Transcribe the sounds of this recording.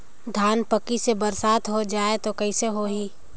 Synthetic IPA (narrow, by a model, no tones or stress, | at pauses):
d̪ʱaːnpəkisebɐɾsaːt̪ɦod͡ʒaːet̪okɐiseɦoɦiː